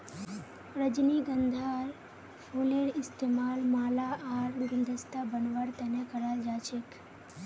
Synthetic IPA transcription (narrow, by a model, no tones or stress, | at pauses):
ɾəd͡ʒniɡənd̪ʱaɾ | pʰoleɾɪst̪emaːlmaːlaʔaːɾɡɪnd̪ʱəst̪abənʋəɾt̪ɛnekəɾald͡ʒaːt͡ʃʰek